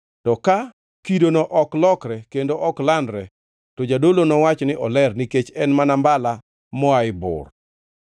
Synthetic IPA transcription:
tɔka | kidonɔʔɔklɔkɾɛkendoʔɔklandɾɛ | tɔd͡ʒadolonɔwat͡ʃnɪʔɔlɛrniket͡ʃɛnmanambala | mɔaɪbʊ̰r

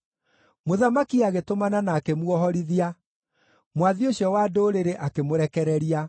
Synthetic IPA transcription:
moðamakiaɣetomananaːkemwɔɦɔɾiðia | mwaðioɕjɔwadoːɾeɾeʔakemoɾɛkɛɾɛɾia

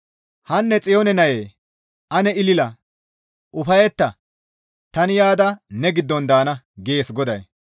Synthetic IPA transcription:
hɐnːɛt͡sʼɪjoːnɛnɐjeː | ʔɐnɛɪlɪlɐ | ʔʊfɐjɛt̪ːɐ | t̪ɐnɪjaːd̪ɐnɛɡɪd̪ːɔnd̪aːnɐ | ɡeːsɡɔd̪ɐj

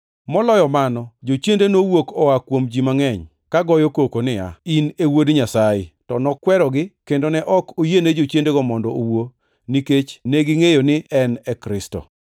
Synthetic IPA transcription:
mɔlɔjɔmanɔd͡ʒot͡ʃjendenowokɔakwomd͡ʒimaŋɛɲ | kaɡɔjokokonɪa̰inewodɲasajɪtɔnɔkwɛɾɔɡɪkendonɛʔɔkojened͡ʒot͡ʃjendeɡɔmɔndɔowo | niket͡ʃneɡɪŋejonɪɛnɛkɾɪsto̰

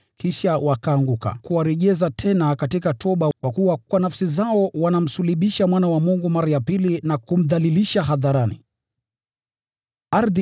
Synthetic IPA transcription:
kiʃawakaːŋɡuka̰kuwaɾɛʄɛzatʰɛnakatikatʰɔɓakwakuwakwanafsizaɔwanam̩suliɓiʃamwanawamuŋɡumaɾajapilinakum̩ðaliliʃaɦaðaɾanḭ | aɾði

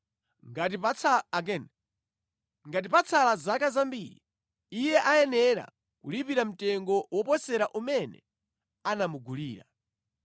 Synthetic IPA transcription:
ŋɡat̬ipakɛn | ŋɡat̬ipat͡sʰalazakazambiɾḭ | ijɛʔaɛnɛɾa̰ | kulipiɾam̩tɛŋɡɔwʔɔpɔsɛɾaʔumɛnɛ̰ | anamuɡuliːɾa̰

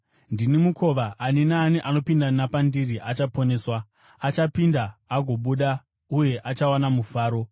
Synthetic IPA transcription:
ndinimukʰo̞ʋaʔːninaːniʔano̞pindanapandiriʔat͡ʃapo̞ne̞ːswaː | t͡ʃapindaːɡʱo̞ɓuɗa | uje̞ʔat͡ʃawanamufaːɾo̞

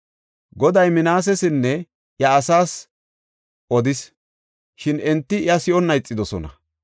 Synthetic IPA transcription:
ɡɔd̪ɐjmɪnaːs̬ɛsɪnːɛ | jɐːsaːs | ʔɔd̪ɪs | ʃɪnɛnt̪ːɪɪɐsɪʔɔnːɐjt͡sʼːɪd̪ɔsɔnɐ̰

